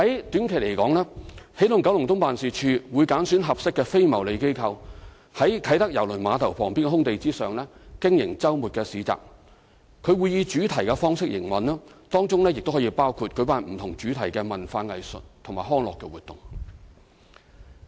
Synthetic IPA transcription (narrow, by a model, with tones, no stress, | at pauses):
hɐ˨˥jt̪yː˨˥nkʰe˨˩le˨˩jkɔː˨˥ŋlɛː˥he˨˥jlʊ˨˩ŋkɐ˨˥wlʊ˨˩ŋt̪ʊ˥ŋpaː˨nsiː˨˩t͡ʃʰyː˧wuː˨˧jkaː˨˥nsyː˨˥nɦɐ˨p̚sɪ˥kːɛː˧fe˥jmɐ˨˩wle˨˧jke˥jkʰɐ˧w | hɐ˨˥jkʰɐ˨˥jt̪ɐ˥k̚jɐ˨˩wlɵ˨˩maː˨˧t̪ʰɐ˨˩wpʰɔː˨˩ŋpiː˥nkɛ˥˧ɦʊ˥ŋt̪e˨jt͡siː˥sœː˨ŋlɛː˥kɪ˥ŋjɪ˨˩ŋt͡sɐ˥wmuː˨t̚kɛː˧siː˨˥t͡sa̰ː˨k̚ | kʰɵ˨˧ɥwuː˨˧jiː˧t͡ʃyː˨˥t̪ʰɐ˨˩jkɛ˧fɔː˥ŋsɪ˥k̚jɪ˨˩ŋwɐ˨nlɐː˥t̪ɔː˥ŋt͡sʊ˥ŋlɛː˥jɪ˨k̚t̪o˥hɔː˨˥i˧paː˥wkʰuː˨˧t̚kɵ˨˧˥paː˧nm̩˨˩t̪ʰʊ˨˩ŋt͡ʃyː˨˥t̪ʰɐ˨˩jkɛː˧mɐ˨nfaː˧ŋɐ˨jsɵ̰˨t̚t̪ʰʊ˨˩ŋmaː˨˩ɦɔː˥ŋlɔː˨kːɛː˧wuː˨t̪ʊ̰˨˩ŋ